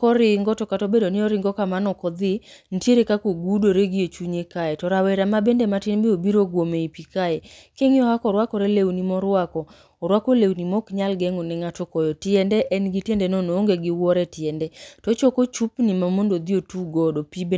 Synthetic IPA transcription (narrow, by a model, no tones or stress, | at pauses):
kɔɾɪŋɡɔtɔkatobedonɪɔɾɪŋɡɔkamanɔkɔd̪ɪn̩tjeɾekakoɡudoɾeɡɪot͡ʃuɲekajɛtɔɾawɛɾamabendematinbeobiɾoɡwomeipikajɛkɪŋɔhakɔɾwakɔɾelewnimɔɾwakɔː | ɾwakolewnimɔkɲalɡɛŋonɛŋatokɔjɔtɪɛndɛʔɛnɡɪtendenonooŋɡeɡɪwɔɾɛtjɛndɛtɔt͡ʃɔkot͡ʃupnimamondod̪iotuɡɔdopibe